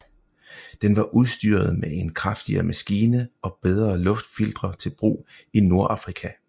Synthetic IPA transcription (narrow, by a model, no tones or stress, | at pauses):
d̥enʋɑ̈ʔuðˠsd̥yɐð̞̩ˠmee̝nkʰʁɑfd̥iɐ̰mʔæsɡ̥iːnəɒ̽b̥eð̞ˠʁɐːlɔ̽fd̥fild̥ʁɐt͡sʰe̝lb̥ʁṵː | ino̝ɐʔɑ̈fʁikʰæ